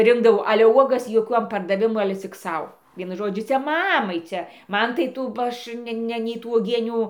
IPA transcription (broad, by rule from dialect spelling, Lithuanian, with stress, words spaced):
ˈrʲɪŋɡdɐʋɐʊ ˈɑːlʲɛ ˈuɔɡɐs joːˈkʲuɔm pɐrdɐˈʋʲɪmʊ ɐlʲɛ t͡sʲɪk ˈsɐʊ ˈʋʲiɛnʊ ˈʒoːd͡ʒʲʊ ˈt͡sʲɛ ˈmɑːmɐɪ ˈt͡sʲɛ ˈmɐn tɐɪ ˈtuː bɐ ˈɐʃ ˈnʲɛ ˈnʲɛ nʲɛɪ ˈtuː uɔˈɡʲiɛnʲuː